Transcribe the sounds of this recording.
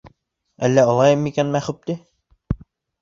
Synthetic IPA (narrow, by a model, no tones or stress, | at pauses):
æ̰lːæɑlˠɑjɤmikænmæχɵp̚t̪i